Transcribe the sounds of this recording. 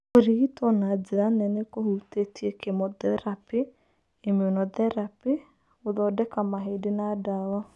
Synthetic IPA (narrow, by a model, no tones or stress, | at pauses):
oɾiitɔnad͡ʒeɾanɛnekohutetʰiɛkemɔðɛɾape | emeonɔðɛɾape | oðɔdɛkamaɦedenadawa